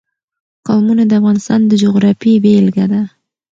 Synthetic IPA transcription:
qɑwmunad̪əafɣɑnɪst̪ɑnd̪əd͡ʒoɣɾɑfibelɡad̪a

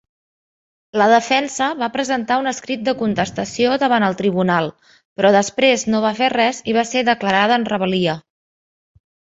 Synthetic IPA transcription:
ləð̞əfɛnsəβapɾəzənt̪aunəskɾit̪̚d̪əkunt̪əst̪əsioðəβ̞anəlˠt̪ɾiβ̞unalˠ | pɾɔðəspɾeznoβ̞aferɛziβ̞aseðəkləɾað̞əːnrəβəliə

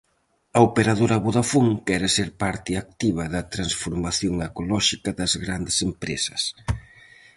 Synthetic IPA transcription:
ɐopeɾaðoɾɐβuðafuŋkɛɾɪseɾpaɾt̪ɪak̚t̪iβ̞ɐðɐt̪ɾansfoɾmaθjoŋekolɔʃikɐðɐzɣɾand̪ɪsempɾesɐ̥s

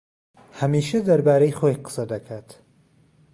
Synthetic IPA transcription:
hɐmiːʃɐd̪ɐɾbaːɾejχojqə̥sɐd̪ɐkʰaːt̪

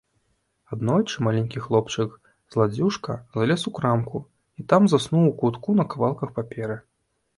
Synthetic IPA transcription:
ad̪nɔjt͡ʂɨmalʲɛnʲkʲixlˠɔpt͡ʂɨk | z̥lˠad͡zʲuʂkɐzalʲɛsukɾamku | it̪amzasnuwukut̪kunɐkavalˠkɐxpapʲɛɾɨ

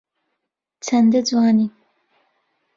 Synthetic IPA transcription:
t͡sʰand̪əd͡zwɑːni

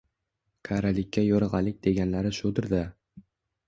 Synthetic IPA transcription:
kʰaɾalɪkʲːajɒɾɨʁɑlɪk̚ʲd̪e̞ɡʲanlaɾɪʃod̪ɪɾd̪a

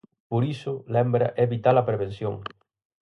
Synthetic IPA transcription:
poɾisʊlɛmbɾɐ̰ʔeβit̪alɐpɾeβ̞ẽn̟sjo̰ŋ

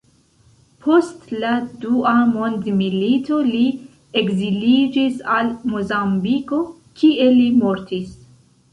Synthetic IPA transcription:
pʰo̞stladuamo̞ndmilito̞li | eɡzilid͡ʒisalmo̞zambiko̞ | kʰie̞limo̞ɾtis

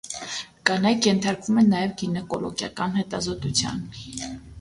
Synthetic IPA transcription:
ɡ̥ɑnɑjkjɛnt̪ʰɑɾkvumɛnɑjɛvɡinɛkɔ̰lɔ̰ɡjɑ̰kɑnhɛt̪ɑzɔt̪ut͡sʰjɑ̰n

